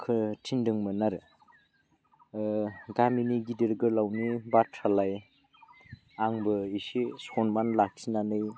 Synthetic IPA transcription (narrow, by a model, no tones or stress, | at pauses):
kʰɯtʰindɯŋmɯnaɾ | ɡaminiɡidiɾɡɯlawnibatʰɾalaj | aŋbɯisisɔnmanlak̚sinanɯj